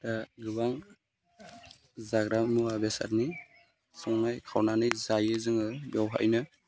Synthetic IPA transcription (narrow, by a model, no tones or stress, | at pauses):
taɡɯbaŋ | zaɡɾamuabesa̰ɾni | sɔŋnajkʰawnanɯjzajɯzɯŋɯbjawɦa̰ʔjnɯ